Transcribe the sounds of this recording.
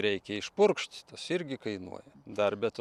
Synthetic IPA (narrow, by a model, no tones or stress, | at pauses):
ɾʲɛɪkʲɛɪʃpʊrkʃʲt̪ʲt̪ɐsɪɾʲɡʲɪkɐɪnṵɔjɛd̪ɐrbʲɛt̪